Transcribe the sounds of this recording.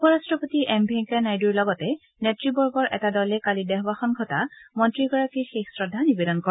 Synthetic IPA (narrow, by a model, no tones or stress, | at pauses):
pɔɹastɹɔpotiʔɛmbiɛŋkɛɹnajduɹlɔɡɔtɛ | netɹibɔɹɡɔɹʔɛ̰tadɔlɛkalidɛɦɔbaxɔnɡʱɔtamɔntɹiɡɔɹakixexsɹɔdʱːanibedɔnkɔ